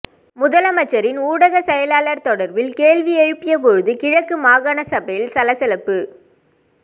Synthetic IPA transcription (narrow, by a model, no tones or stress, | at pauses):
mʊðɐlɐmɐt͡ʃːɐɾɪnuːɽɐɣɐsɛjɐlaːlɐɾt̪ɔɽɐɾʋɪlkeːɭʋiɛɻɯpːɪjɐp̬ɔɻɯðɯkɪɻɐkːɯmaːɣɐɳɐsɐbɐjɪlsɐlɐsɛlɐpːɯ